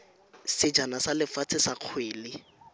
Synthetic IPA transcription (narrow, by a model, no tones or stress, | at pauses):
sɪd͡ʒanasalɪfat͡sʰɪsaq͡χʰweːlɪ